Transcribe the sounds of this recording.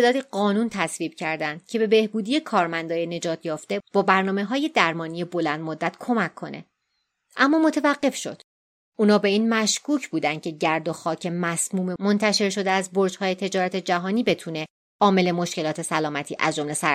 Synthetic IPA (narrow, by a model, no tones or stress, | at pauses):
ed̪ɒːd̪iɢɒːnuːnt̪ʰæsviːb̥cʰæɾd̪ænd̪̥cʰe̞be̞be̞hbuːd̪ije̞kʰɒːɾmænd̪ɒːjene̞d͡ʒɒːt̪ʰjɒːft̪e̞b̥ɒːbæɾnɒːme̞ɦɒːje̞d̪æɾmɒːnije̞bo̞lænd̪mod̪ːæt̪kʰo̞mækʰːo̞ne̞̰ | ʔæmːɒːmo̞t̪ʰevæɢːe̞fʃo̞̰d̪̥ | ʔuːnɒːbe̞iːnmæʃkʰuːcʰbuːd̪ænd̪̥̚cʰe̞ɟæɾd̪o̞xɒːcʰe̞mæsmuːmemo̞nt̪ʰæʃe̞ɾʃo̞d̪eæzboɾd͡ʒhɒːje̞t̪ʰe̞d͡ʒɒːɾæt̪ʰe̞d͡ʒæɦɒːniːbet̪ʰuːne̞ | ʔɒːme̞le̞moʃce̞lɒːt̪ʰe̞sælɒːmæt̪ʰiːʔæ̰zd͡ʒo̞mlesæ